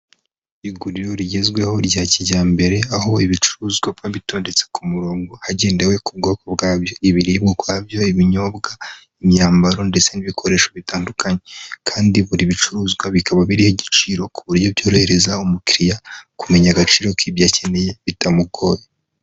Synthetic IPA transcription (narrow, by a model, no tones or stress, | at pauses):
iɡuɾiɾo̞ɾiɟe̞zɡwe̞ho̞ɾɟaːciɟaːmbe̞ɾe̞aho̞iβit͡ʃu̥ɾuːzɡwabɡaβito̞ːnde̞t͡se̥kumuɾoːŋɡo̞haɟe̞ːndewe̞kub̚ɡo̞ːko̞βɡaːβjo̞iβiɾibɡokwaːbjo̞iβiɲo̞bɡa | imɲaːmbaɾo̞nde̞t͡se̞niβikʰo̞ɾe̞ʃoβitaːndukaɲekʰaːndiβuɾiβit͡ʃuɾuːzɡwaβikaβaβiɾihoɟit͡ʃiɾo̞kuβuɾɟobjo̞ːɾoheɾe̞zaumukiɾijakume̞ɲaɡat͡ʃiːɾo̞kibjace̞ne̞jeβitamuɡo̞ːje